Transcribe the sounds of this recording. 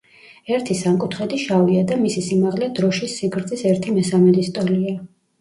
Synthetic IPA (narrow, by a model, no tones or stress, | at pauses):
ɛɾt̪ʰisamkʼut̪ʰχɛd̪iʃaviad̪amisisimaʁlɛd̪ɾɔʃisiɡɾt̪sʼisɛɾt̪ʰimɛsamɛd̪ist̪ʼɔlia